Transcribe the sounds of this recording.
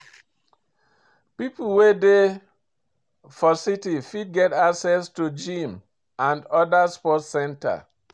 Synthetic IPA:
pipul̩wede | fɔsitifid̚ɡɛtaksɛstud͡ʒĩm | ãndɔdaspɔtsɛ̃nta̰

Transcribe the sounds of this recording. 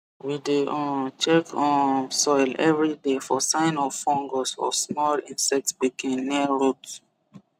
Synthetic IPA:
wideʔɔ̃nt͡ʃɛkʰɔ̃sɔjlɛvɹidefɔsãɪ̃nɔfɔ̃ŋɡosɔ̰smɔlĩnsɛk̚tsbikʰẽmniəɹot

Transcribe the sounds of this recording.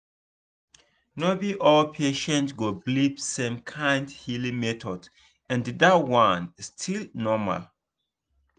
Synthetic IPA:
nobiʔɔlpʰeʃɛ̃ntɡoblipsɛ̃mkʰãɪ̃ndhilĩmɛtɔd | ɛ̃nddawãnstʰilnɔma̰l

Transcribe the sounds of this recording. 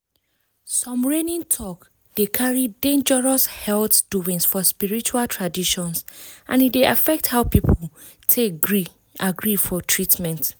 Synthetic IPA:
sɔ̃mɹenĩntʰɔk | d̥ekʰaɹidẽnd͡ʒəɹɔshɛlθd̥uĩŋsfɔspiɹit͡ʃualtʰɹadiʃɔ̃nsʔãnitdeʔafɛk̚thaʊpipʰol | tʰeɡɹi | ʔaɡɹifɔtʰɹitmɛ̃nt

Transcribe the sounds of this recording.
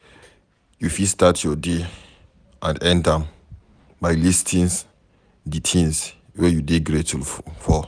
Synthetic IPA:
jufistatʰjɔde | ʔãndɛ̃ndãm | bajlistʰĩns | ditʰĩns | wɛjudeɡɹetulfɔ

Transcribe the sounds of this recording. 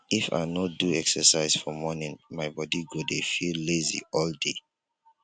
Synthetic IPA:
ifa̰nɔduɛksəsaɪzfɔmɔnĩnmaɪbɔdiɡodefillezḭɔlde

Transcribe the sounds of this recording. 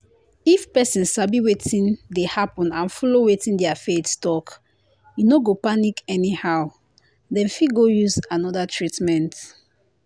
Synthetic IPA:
ifpɛsĩnsabiwetʰĩndehapɔ̃nãnfɔlowetĩndɛafetstɔk | junoɡopanikʰɛnihaʊ | dɛ̃nfiɡojuzanɔdatʰɹitmɛ̃nt

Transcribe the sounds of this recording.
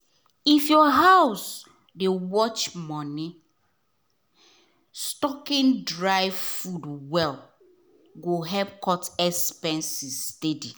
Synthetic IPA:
ifjɔɦaws | dewɔt͡ʃmɔ̃ni | stɔkĩndɹaɪvfudwɛl | ɡoɦɛp̚kʰɔtɛspɛ̃nsistedi

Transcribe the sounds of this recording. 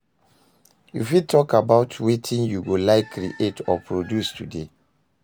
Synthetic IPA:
jṵfid̚tʰɔkabaʊtʰwetʰĩnjuɡolaɪkʰːɾḭʔetʰɔpʰɹodjustʰude

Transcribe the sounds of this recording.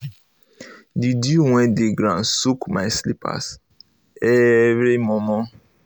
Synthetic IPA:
didiŋwɛ̃deɡɾãsukmajslipa̰s | eβemɔmɔ̃

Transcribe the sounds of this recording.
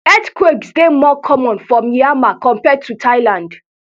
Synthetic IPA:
ɛtkweɡsdemɔkʰɔmɔ̃nfɹɔ̃miamakɔ̃mpɛd̚tːutʰaɪlãnd

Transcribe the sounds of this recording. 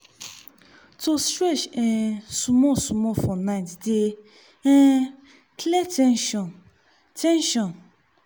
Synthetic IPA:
tostɾɛt͡ʃɛ̃sũmɔ̃sũmɔ̃fɔnãĩtde | ɛ̃ | klɛtɛnʃɔ̃n | tʰɛ̃nʃɔ̃n

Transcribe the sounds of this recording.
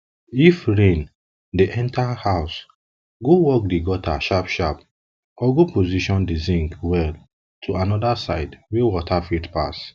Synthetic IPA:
ifɹẽn | deʔɛ̃ntʰahaʊs | ɡowɔk̚diɡɔtʰa̰ʃapʃap | ɔɡopoziʃɔ̃ndezĩŋkwɛl | tʰoanɔdasaɪdwɛwɔtʰafitpa̰s

